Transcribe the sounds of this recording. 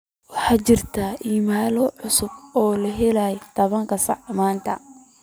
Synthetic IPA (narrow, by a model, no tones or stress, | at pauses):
wɑħɑːt͡ʃɪrt̪ʰaːʔiːmaːlɔʕʊsʊbɔːlɐɦɛlajɛt̪ʰɐβɐŋkʰɐsɑ̰ʕmaːnt̪ʰɐ̰